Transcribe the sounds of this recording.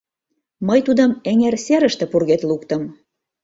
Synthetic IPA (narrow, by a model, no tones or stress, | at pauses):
məjt̪ud̪əmeŋerseɾəʃt̪ĕpurɣet̪lukt̪ə̆m